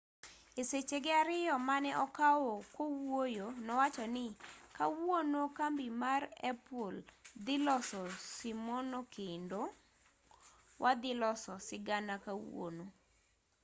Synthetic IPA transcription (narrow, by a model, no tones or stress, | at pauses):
eset͡ʃeɡɪaɾɪjɔmanɛʔɔkawɔkowojonɔwat͡ʃɔnɪkawonokambimarɛ̰pold̪ɪlɔsɔsimonokʰendo | wʔad̪ɪlɔsɔsɪɡanakawo̰no